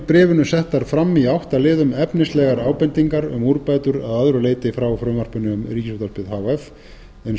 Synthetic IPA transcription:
pɾɛːvʏnʏsɛht̪ːaɾ̥fɾamːiawht̪alɪːðʏmɛpnɪst̪lɛɣaɾaːwpɛnt̪iŋkaɾʏ̰muɾpaːjt̪ʏɾaðaðɾʏleːjt̪ɪfɾawfɾœːmar̥pʏnːɪʏmriːcɪsot̪aspɪðɦaːwɛf | ɛn

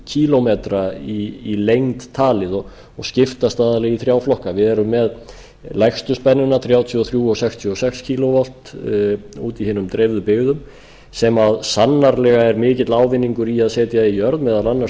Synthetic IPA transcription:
cʰiːlɔmet̪ɾaiːlejŋt̪ʰːaːlɪðɔ | ɔɣscɪft̪ast̪aːðalɛɣiθɾjaːwflɔhkavɪðɛɾʏmːɛð | lajxst̪ʏspɛnːʏnaθɾjaːwt̪ʰjiɔθɾjuːɔsɛxst̪ʰjuɔsɛkscʰiːlovɔl̥t̪ | uːt̪ihɪnʏmt̪ɾevðʏpɪɣðʏm | sɛmaðsanːaɾlɛɣaɛɾmɪːcɪt̪laːwvɪnːiŋkʏɾiaðsɛːt̪jaijœɾðmɛːðalanːa

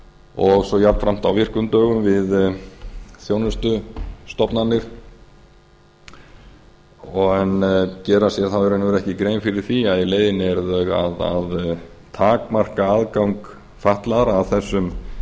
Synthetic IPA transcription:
ɔɣsɔjat̪nfɾam̥t̪awvɪr̥kʏnt̪œːɣʏmvɪð | θjownʏst̪ʏst̪ɔpnanːɪɾ̥ | ɔɣɛncɛːɾasjɛθawɛɾɛnɛɾɛhcɪkɾeːjnfɪɾɪɾ̥θiaðileːjðɪnɛɾðœɣa̰ða̰ð | t̪ʰaːkmar̥kaaðkawŋk | faht̪laðɾːðθɛsːʏm

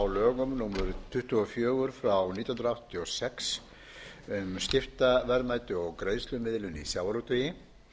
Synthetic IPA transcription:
wlœːɣʏmnuːmʏɾt̪ʰʏht̪ʏɔfjœːɣʏɾ̥fɾawnit̪i̥hnɾaawht̪ːiɔsɛks | ʏmsc̪ɪft̪avɛɾmaːjt̪ʏɔɣkɾeːjðst̪lʏmɪðlʏnisjaːwɾowt̪œjɪ

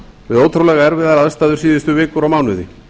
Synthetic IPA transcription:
vɪðowt̪ʰɾowlɛɣaɛɾvɪðaɾaðst̪aːðʏ̥siːðɪst̪ʏvɪːkʏɾawmaːwnʏðɪ̰

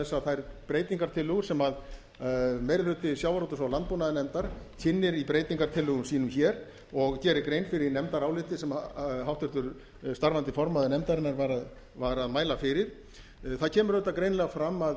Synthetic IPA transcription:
ɛsːaθajɾpɾeːjt̪iŋkaɾ̥t̪ʰɪlːʏɣʏɾsɛmað | meːjɾɪlʏt̪ɪsjaːwvaɾɔwt̪ʏsawlant̪̚punaðɪnɛmt̪aɾ̥cʰɪnːɪɾipɾeːjt̪iŋkaɾt̪ʰɪlːʏɣʏmsiːnʏmçɛɾ | ɔɣcɛːɾɪɾkɾeːjnfɪɾɪnɛmt̪aɾawlɪt̪ɪsɛmɦawht̪ʏɾt̪ʏɾ | st̪aɾvant̪ɪfɔɾmaðɪnɛmt̪aɾɪnːaɾvaɾað | vaɾaðmaːjlafɪɾɪɾ̥ | θaðcʰɛːmʏɾœt̪ːakɾejnlɛɣafɾamːað

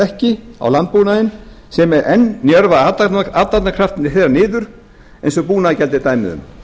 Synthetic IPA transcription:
ɛhcɪa̰wlant̪̚puːnaðɪn | sɛmɛɾʔɛnːjœɾvaaat̪at̪nakʰɾaft̪ɪnːɪ̥θejɾanɪːðʏɾ̥ | ejnsɔpuːnaðcɛlt̪ɪt̪aːjmɪ̰ðʏ̰m

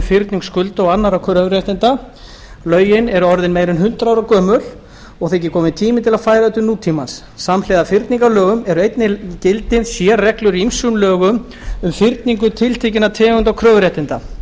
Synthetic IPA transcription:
fɪɾt̪niŋkskʏlt̪ɔɣanːaɾakʰɾœːvɾjɛht̪ɪnt̪a | lœːɥjɪnɛɾʏɔɾðɪnmeːjɾɪnɦʏn̥t̪ɾawɾakœːmʏl̥ | ɔɣθejcːɪkʰɔːmɪt̪ʰiːmɪt̪ʰɪlaðfaːjɾaɛt̪ʏnuːt̪ʰimansːamlɛðafɪɾt̪niŋkalœːɣʏmɛɾʏejt̪nɪcɪlt̪ɪðsjɛːrɛklʏɾiimsunlœːɣʏm | ʏmfɪɾt̪niŋk̬ʏt̪ʰɪlt̪ʰecɪnat̪ʰɛːɣʏnt̪awkʰɾœːvɾɛht̪ɪnt̪a

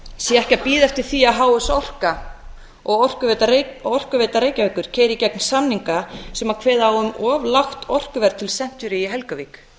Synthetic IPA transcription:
sjɛɛhcapiːðɛft̪ɪɾ̥θiaɦaːwʏsɔr̥ka | ɔɣɔr̥kʏt̪ɔr̥kʏveːt̪aɾeːjcavɛːkːʏɾ̥cʰeːjɾɪcɛk̚nsamniŋkasɛmakʰvɛːðaawʏmɔːvlaxt̪ɔr̥kʏvɛɾt̪ʰɪlsɛn̥t̪ʏɾɪiɦɛlkaviːk

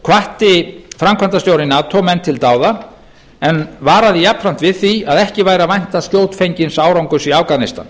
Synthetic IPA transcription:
kʰvaht̪ɪfɾamkʰant̪ast̪jowɾɪnːat̪ʰɔmɛnːt̪ʰɪlt̪aːwða | ɛnvaːɾaðɪjapfɾam̥t̪vɪðθiaðɛhcɪvaːjɾavajn̥t̪ascjoːwt̪fejɲcɪnsaːwɾawŋkʏsiawkanɪst̪a̰n

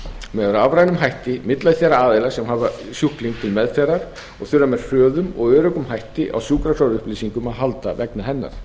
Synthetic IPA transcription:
mɛðaɾavɾajnʏmɦajht̪ɪmɪt̪laðɪθɛɾaaːðelasɛmɦaːva | sjuhkliŋk̚t̪ʰɪlmɛðfɛːɾaɾ̥ | ɔɣθʏrːamɛɾ̥fœːðʏmɔ̰ɣœːɾœkʏmɦajht̪ɪʔa̰wsjuːkɾak̪ʰawɾʏhpliːsiŋkʏmaðɦal̪t̪avɛknaɦɛnːa̰ɾ̥

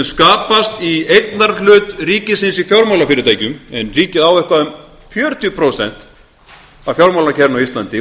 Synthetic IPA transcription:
skaːpast̪iejt̪naɾlʏːt̪riːcɪsɪnsifjawɾmawlafɪːɾɪt̪aːjcʏmɛnriːcɪðawɛhkvaʏm | fjœːɾʏt̪ʏpʰɾowsɛ̰n̥t̪ | avfjawɾmawlacʰɛɾnawist̪lant̪ɪ

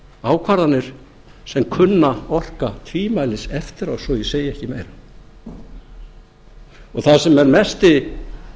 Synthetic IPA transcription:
aːwkʰvaɾðanːɪɾ̥ | sɛmkʰʏnːaɔr̥kat̪ʰviːmajlɪsɛft̪ɪɾawsɔiseːjɪɛhcɪmeːjɾa | ɔɣθaðsɛmɛɾmɛst̪ɪ

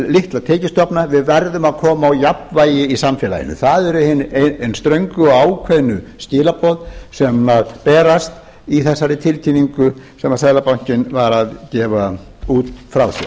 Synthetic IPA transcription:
lɪht̪lat̪ʰɛːcɪst̪ɔpnavɪðvɛɾðʏmaðkʰɔːmaːwjapvaːjɪisamfɛːla̰jɪ̰nʏ̰θaðɛɾʏhɪnejnst̪ɾœɥŋkʏɔaːwkʰvɛnːʏscɪːlapʰɔðsɛmaðpɛːɾast̪ | iθɛsːaɾɪt̪ʰɪlt̪ʰiːniŋkʏ | sɛmaðsɛðlapawɲ̥cɪnvaɾaðcɛːva | uːt̪fɾawsɛ̰

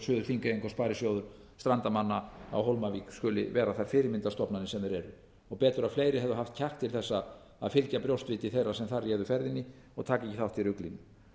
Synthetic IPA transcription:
sʏːðʏɾθiŋkaejŋkɔspaːɾɪsjoːwðʏɾ̥ | st̪ɾant̪amanːaa̰wɦowlmaviːkskʏlɪ̰vɛːɾaθaɾfɪːɾɪmɪnt̪ast̪ɔpnanɪsɛmðɛɾɛɾʏ | ɔɣpɛːt̪ʏɾaðfleːjɾɪɦɛvðʏɦaft̪̚cʰahkt̪ʰːɪlθɛsːa | a̰ðfɪlcapɾjowst̪vɪːt̪ɪθejrasɛmθaɾjɛːðʏfɛɾðɪnːɪ | ɔɣt̪ʰaːkɛcɪθawht̪ʰːɪɾʏklinʏ

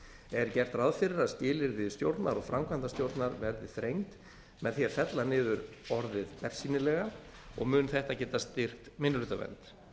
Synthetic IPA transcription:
ɛɾcɛr̥t̪raðfɪɾɪɾaðscɪːlɪɾðɪst̪jowɾt̪naɾɔɣfɾamkʰvant̪ast̪jowɾt̪naɾvɛɾðɪθɾejŋt̪ | mɛðθjɛɾ̥fɛt̪lanɪːðʏɾ | ɔɾðɪðpɛr̥siːnɪlɛɣa | ɔ̰ɣmʏːnθɛht̪acɛːt̪ast̪ɪr̥kt̪mɪnːʏlːt̪avɛ̰nt̪

